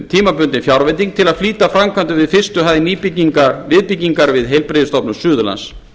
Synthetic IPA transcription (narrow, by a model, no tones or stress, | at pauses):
t̪ʰiːmapʏnt̪ɪnfjawɾvɛnt̪iŋ̚t̪ʰɪlaðfliːt̪afɾamkʰvant̪ʏvɪðfɪr̥st̪ʏɦaðɪniːpicːiŋkavɪðpicːiŋkaɾvɪðɦejlpɾɪðɪst̪ɔpnʏsʏːðʏla̰ns